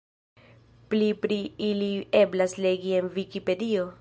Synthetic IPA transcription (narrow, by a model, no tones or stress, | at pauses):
plipɾiilieblasleɡie̞nvikipe̞dio̞